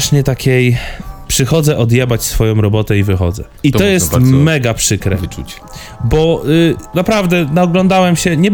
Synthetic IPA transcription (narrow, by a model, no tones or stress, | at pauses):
ʂɲɛt̪akʲejpʂɘxɔd̪zɛʔɔd̪jɛbat͡ɕsfɔjɔ̃w̃ɾɔbɔt̪ɛivɘxɔ̰d̪zɛ̰ | it̪ɔjɛst̪mɛɡapʂɘkɾɛ̰u | bɔnapɾavd̪ɛnaɔɡlɔnd̪awɛmɕɛɲɛb